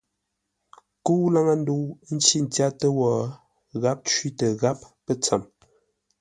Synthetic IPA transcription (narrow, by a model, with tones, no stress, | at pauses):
ku˦la˦ŋa˦n̩˦du˦n̩˦t͡ʃi˦n̩˨tja˦tə˦wɔː˨ | ɣa˦p̚t͡ʃɥi˦tə˨ɣa˦p̚ːə˦t͡sa˨m